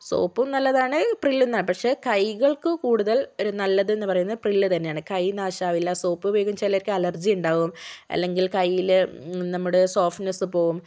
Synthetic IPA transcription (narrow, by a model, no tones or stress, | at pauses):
so̞̰ːpːumnɐlːɐðaːɳɨprilːenːaːɳɨpɐkʂe̞ːkɐjɣɐɭkɨkuːɽuðɐlo̞ɾunɐlːɐðɨe̞nːupɐrɐjunːɐðɨprilːɨt̪ɐnːejaːɳɨkɐjnaːɕaːʋilːɐso̞ːpːɨʋeːɣumt͡ɕelːɐɾikʲːɨɐlɐrd͡ʑijuɳɖaːɣumɐ̰lːe̞ŋɡilkɐjːilnɐmːuɽe̞so̞ːfnɐsɨpo̞ːɣum